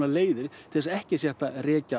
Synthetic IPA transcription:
naleːjðɪɾ̥t̪ʰɪlsɛhcɪsjɛht̪arɛːca

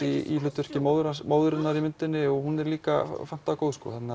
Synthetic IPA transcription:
iḭlʏːt̪ʏr̥cɪmoːwðʏɾamoːwðʏɾɪnnːaɾimʏnt̪ɪnːɪɔɣhunɛɾliːka̰fan̥t̪akoːwðskɔ̰ːθɛt̪na

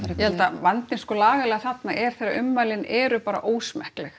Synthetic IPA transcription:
jɛhɛlt̪avant̪ɪnskɔlaːɣalɛːɣaθat̪naʔɛɾ̥θejɾaɾʏmːaːjlɪnɛːɾʏpaːɾa̰ʔoːwsmɛhklɛx

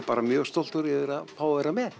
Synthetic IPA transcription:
paːɾamjœːɣ̥st̪owl̥t̪ʏɾɛðʏɾaðfaːwavɛːɾamɛð

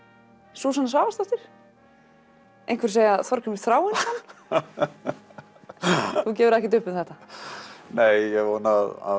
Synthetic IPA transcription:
suːsanasvaːwvast̪aft̪ɪɾ̥ | ejnŋkʰvɛɾseːjaθɔɾ̥kʰʏmɪ̥θɾaːwɪnan | θuc̬ɛːvʏɾɛhcɛt̪ʏhpɪmθɛht̪a | neːjjɛvoːnaða̰

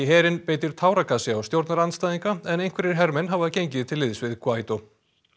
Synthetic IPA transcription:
ɪɦɛːɾɪnpeːjt̪ɪɾ̥t̪ʰaːwɾakʰasɪawst̪jowɾt̪naɾanst̪ajðiŋkaɛnejŋ̥kʰvɛɾɪɾ̥ɦɛɾmɛnɦavaðcejɲcɪðt̪ʰɪlːɪðsvɪðkʰvaːjt̪o

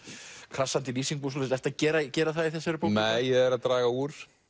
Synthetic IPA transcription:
kʰɾasːant̪ɪliːsiŋpus̬ɔlsɛft̪acɛːɾacɛːɾaθaðiθɛsːɪɾɪpownmɛːjɛɛɾaðt̪ɾaːɣauːɾ̥

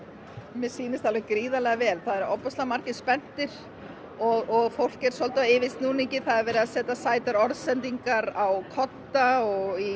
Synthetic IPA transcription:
mɛ̥siːnɪst̪alvɛɣkɾiːðalɛɣavɛːlθaðɛɾɔpːɔst̪lamaɾ̥cɪ̥spɛn̥t̪ɪɾ̥ | ɔɣɔɣfowl̥cɛɾ̥sɔlt̪aɪvɪst̪nuːnecɪθaðɛɾvɛːɾɪðaðsɛːt̪asaːjt̪aɾɔɾðsɛnt̪iŋkaɾawkʰɔt̪ːaɔɣi

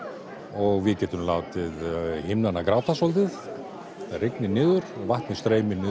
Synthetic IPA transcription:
ɔɣvɪðcɛːt̪ʏmlaːwt̪ɪðhɪmnanːakɾaːwt̪asɔlt̪̬ɪθ | arɪknɪnɪːðʏɾɔɣvaht̪nɪst̪ɾeːjmɪnɪː

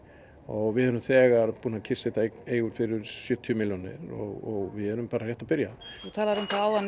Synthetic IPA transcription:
ɔɣvɪðhœɾʏmθɛːɣaɾpuːnacʰɪr̥set̪aeːjɣʏɾ̥fɪɾɪɾsjœːt̪ʰʏʏmɪljɔnɪ̰ɾɔ̰ɣɔɣvɪðœɾʏmpaːɾar̥jɛht̪apɪɾjaut̪ʰaːlaɾʏmt̪aaːwðan

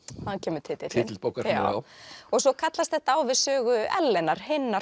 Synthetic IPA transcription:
hancʰɛːmʏɾ̥t̪ʰɪt̪ɪt̪ʰɪt̪lpowkaɾa̰ːa̰ɔsɔkʰat̪last̪θɛht̪aaːwvɪðsœːɣʏɛ̰lːɛnaɾ̥hɪnːa

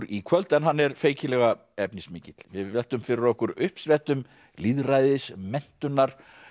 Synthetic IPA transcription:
ɾikʰvœlt̪ɛnɦanːɛɾfeːjcɪlɛɣa | ɛpnɪsmɪːcɪt̪l̥vɪðvɛlt̪ʏmfɪɾɪɾɔhkʏɾʏhpsvɛlt̪ʏm | liðrajðɪsmɛn̥t̪ʏnːaɾ̥

